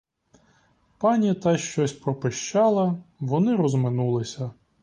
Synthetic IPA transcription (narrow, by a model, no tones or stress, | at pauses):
pɑnʲit̪ɑjʃt͡ʃɔsʲpɾɔpɪʃt͡ʃɑlˠɐʋɔnɪɾɔzmɪnulˠɪsʲɐ